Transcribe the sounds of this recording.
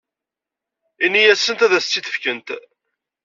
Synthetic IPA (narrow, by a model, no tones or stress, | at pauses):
inːijæsənt̪æðæsət͡sːiθə̥fkənt̪